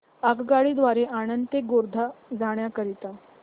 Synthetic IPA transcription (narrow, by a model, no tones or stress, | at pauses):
akɡaɭiːd̪ʋaɾeʔanəndt̪ekɡoɾd̪ʱad͡zaɳjakəɾit̪a